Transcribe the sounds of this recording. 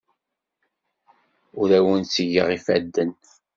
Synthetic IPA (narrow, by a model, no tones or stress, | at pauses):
ʊɾæwənt͡səʝəʁifæd̪ːən